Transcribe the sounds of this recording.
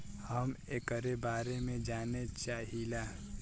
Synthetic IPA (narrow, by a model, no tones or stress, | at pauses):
həmekəɾebaːɾemẽd͡ʒaːnet͡ʃaːɦilaː